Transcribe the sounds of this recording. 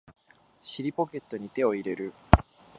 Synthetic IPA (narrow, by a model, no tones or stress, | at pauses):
ɕiɾʲipo̞ke̞t̪ːo̞ɲ̟it̪e̞o̞iɾe̞ɾɯ̟